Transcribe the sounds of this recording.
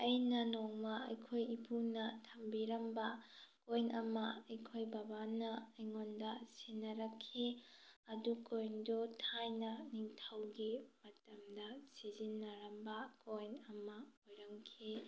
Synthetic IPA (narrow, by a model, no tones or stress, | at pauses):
ɐjnɐnoŋmɐɐjkʰojipʰunɐtʰɐmbiɾɐmbɐkojnʔɐmɐɐjkʰojbɐbanɐːjŋondɐsinːɐɾɐkʰːiɐdukojndutʰajnɐniŋtʰɐwɡimɐtɐmdɐsizinːɐɾɐmbɐkojnɐmɐojɾɐŋkʰi